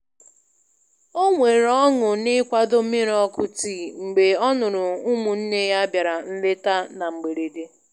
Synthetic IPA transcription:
o˦ŋʷe˨ɾɔ˦ŋʊ˨nɪ˦kʷa˦do˦mi˦ɾɔ˦kʊ˦ti˦˨ŋ͡m̩˨ɡ͡be˨ɔ˦nʊ˨ɾʊ˨ʊ˦mʊ˨n̩˦ne˦ja˦bja˨ɾa˨n̩˦le˦ta˦na˨ŋ͡m̩˨ɡ͡be˨ɾe˨de˦

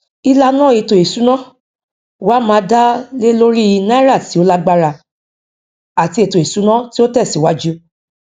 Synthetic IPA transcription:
i˧la˧nã˦˨e˨to˨e˨su˨˦nã˦ | wa˨˦mãː˨˦da˦le˦lo˦ɾi˦˧nã˦ɾa˦˨ti˨˦o˦la˦ɡ͡ba˦ɾa˧ | a˨ti˧˦e˨to˨e˨su˨˦nã˦ti˦o˦tɛ˦˨si˨wa˦d͡ʒu˦

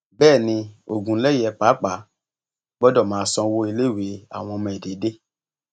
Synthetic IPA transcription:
bɛː˦˨nĩ˧o˨ɡũ˨˦lɛ˦jɛ˨˧k͡pa˨˦k͡pa˨˦ | ɡ͡bɔ˦dɔ˦˨mãː˨˦˧sɔ̃˧wo˧˦i˧le˦˨we˨˦a̰˨w̃ɔ̃˧mɛ̃˨de˨˦de˦

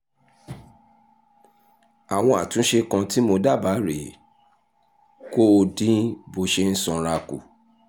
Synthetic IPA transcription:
a˨w̃ɔ̃˧a˨tũ˨˦ʃe˧kã˧ti˦mo˧da˦˨ba˨˦ɾe˨ | ko˦˧dĩ˦bo˧ʃe˦n̩˦sɔ̃˧ɾa˧ku˨

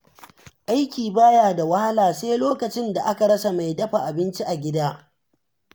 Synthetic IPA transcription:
ʔa˦jkʲiː˨baː˦jaː˨da˨wa˦ha˦laː˨seː˦loː˦kɐ˨t͡ʃɪ˦nda˨ʔa˦ka˨ɽɐ˦sa˨ma˨jdɐ˦ɸa˨ʔa˨bɪ˦nt͡ʃi˦ʔa˨ɡʲɪ˦daː˦

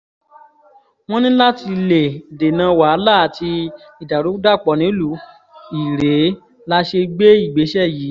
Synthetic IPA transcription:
w̃ɔ̃˦nĩ˦la˦ti˧le˨de˨nãː˨˧˦wa˨˦laː˦˨tʰi˧ | i˨da˨ɾu˨˦da˦˨k͡pɔ˨˦nĩ˨˦lu˨˦ | i˨ɾe˨˦ | la˦ʃe˧ɡ͡be˦i˦˨ɡ͡be˨˦ʃɛ˦˨ji˨˦

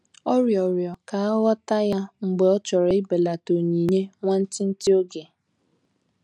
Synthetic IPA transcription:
ɔ˦ɾjɔ˨ɾjɔ˨ka˨a˦ɣɔ˦ta˦ja˦ŋ͡m̩˨ɡ͡be˨ɔ˦t͡ʃɔ˨ɾe˨ɪ˦be˨la˨to˨ɲi˨ɲe˦ŋʷa˦n̩˦tɪ˦n̩˦ti˦o˦ɡe˨

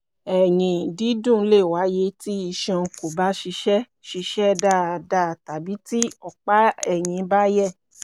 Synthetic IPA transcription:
ɛ˨jĩ˨di˨˦dũ˦˨˦le˦˨wa˨˦je˧ti˦i˧ʃɔ̃˧ko˨ba˨˦ʃi˧ʃɛ˦ | ʃi˧ʃɛ˦da˦˨da˦˨ta˨bi˨˦ti˦ɔ˦˨k͡pa˦ɛ˦˨j̃ĩ˨˦ba˦jɛ˦˨

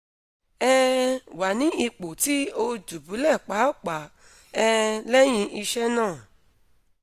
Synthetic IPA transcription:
ɛ˦wa˨nĩ˨˦i˧k͡po˨ti˦o˧d͡ʒu˨bu˨˦lɛ˦˨k͡pa˨˦˨k͡pa˨˦ | ɛ˧lɛ˦j̃ĩ˧ʔi˧ʃɛ˦nãː˦˨

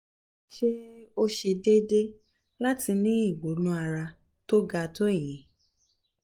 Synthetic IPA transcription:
ʃe˦o˦ʃe˧de˦de˦ | la˦ti˧nĩ˦i˦˨ɡ͡bo˨˦nũ˦a˧ɾa˧ | to˦ɡa˧to˦˨jĩ˨˦

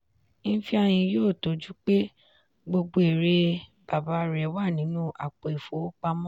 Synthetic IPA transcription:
n̩˦fi˦a˧j̃ĩ˧joː˦˨to˨˦d͡ʒu˦k͡pe˦ | ɡ͡bo˧ɡ͡bo˧e˨ɾe˧b̥a˨ba˨˦˧ɾɛ˨˦wa˦˨nĩ˨˦nũ˦ʔa̰˨k͡pɔ˨i˨fo˨˦k͡pa˧mɔ̃˦

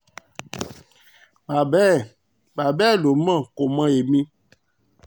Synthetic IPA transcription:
ba˨bɛ˦ | ba˨bɛ˦˨lo˨mã˦˨ko˨mã˦je˨mĩ˦

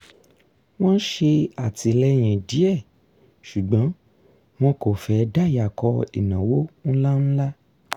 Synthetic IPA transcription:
w̃ɔ̃˦ʃe˧a˨ti˧lɛ˦j̃ĩ˨di˨˦ɛ˦˨ | ʃu˨ɡ͡bã˨˦ | w̃ɔ̃˦ko˨fɛ˧˦˧da˦˨ja˨kɔ˧ḭ˨nã˨wo˦ñ̩˦la˦ñ̩˦la˦

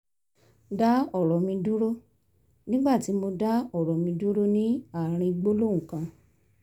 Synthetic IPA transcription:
da˦ɔ˦˨ɾɔ˨mĩ˧du˦ɾo˦ | nĩ˦ɡ͡ba˦˨ti˨˦mo˧da˦ɔ˦˨ɾɔ˨mĩ˧du˦ɾo˦nĩ˦a˦˨ɾ̃ĩ˧ɡ͡bo˦lo˦˨ũ˨kã˧

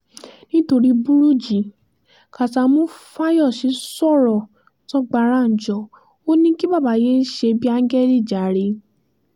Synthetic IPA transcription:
nĩ˦to˧ɾi˦bu˦ɾu˦d͡ʒi˨ | ka˨ta˧˦mõ˦fa˦jɔ˦˨ʃi˨˦sɔ˦˨ɾɔ˨ | tɔ˦ɡ͡ba˧˨ɾa˦˨n̩˨d͡ʒɔ˨ | o˦nĩ˦ki˦ba˦˨ba˨˦je˦n̩˦ʃe˧bi˦a˧ŋ̩˦ɡɛ˦˨di˦˨d͡ʒa˨ɾe˧

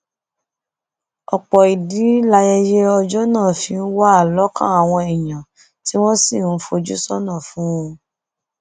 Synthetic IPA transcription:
ɔ˨k͡pɔ˨i˨di˨˦la˧jɛ˧je˧ɔ˧d͡ʒɔ˦nãː˦˨fĩ˧n̩˦wa˦a˦˨lɔ˨˦kã̰˦a˨w̃ɔ̃˧ɛ˨j̃ã˨ | ti˦w̃ɔ̃˦si˦˨n̩˦fo˧d͡ʒu˦sɔ˦nã˦˨fũ˦ũ˧

